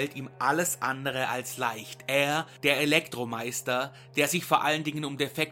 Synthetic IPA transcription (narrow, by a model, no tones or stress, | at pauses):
ltiːmʔaləsʔandəʁ̞əʔalslaɪçtʔeːɐd̥eːɐelɛktʁ̥omaɪstɐ | d̥eːɐzɪçfoːɐʔaləndɪŋənʊmdefɛk̚